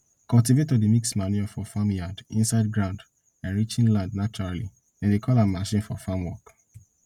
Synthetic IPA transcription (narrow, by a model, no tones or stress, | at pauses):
kɔltivetɔdimiksmaniɔfɔfamjadĩnsaɪd̚ɡɹãʊ̃nd | ãnɹit͡ʃĩnlãndnat͡ʃɔɹalḭ | ɛ̃ndekʰɔlãmaʃĩnfɔfamwɔk